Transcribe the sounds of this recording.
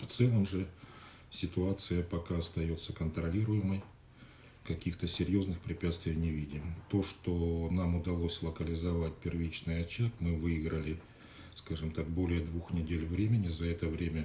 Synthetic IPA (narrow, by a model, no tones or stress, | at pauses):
ft̪sɛlˠəmʐɨ | sʲɪt̪ʊat̪sɨjəpɐkaɐst̪ɐjo̞t̪sːəkənt̪ɾɐlʲiɾʊjɪməj | kɐkʲixt̪əsʲɪɾʲjo̞znɨxpɾʲɪpʲæt̪st̪vʲɪjnʲɪvʲidʲɪmt̪o̞ʂt̪onamʊd̪ɐlˠo̞sʲlˠəkəlʲɪzɐvat̚ʲpʲɪrvʲit͡ɕnɨjɐt͡ɕːakmɨvɨɪɡɾəlʲɪ | skaʐɨmt̪akbo̞lʲɪjəd̪vuxnʲɪdʲelʲvɾʲemʲɪnʲɪzɐɛt̪əvɾʲemʲə